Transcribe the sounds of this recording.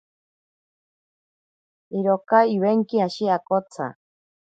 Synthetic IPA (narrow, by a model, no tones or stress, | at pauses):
iɾokaiβeŋkiaʃiakot͡sʰa̰